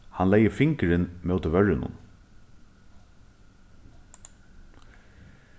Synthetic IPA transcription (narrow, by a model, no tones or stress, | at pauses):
hanlɛjəfɪŋkəɾɪnmɛʊt̪ɪɾʋœɹɪnʊ̰n